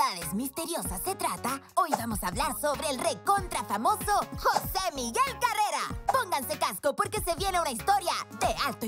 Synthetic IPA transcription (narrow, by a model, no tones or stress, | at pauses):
aðezmist̪e̞ɾjosasːe̞t̪ɾat̪aojβamo̞saβlaɾso̞βɾe̞ːlrekont̪ɾafamo̞soxosemiɣe̞lkareɾa̰po̞ŋɡanse̞kaskopoɾke̞se̞βje̞neaunaist̪o̞ɾjaðealt̪o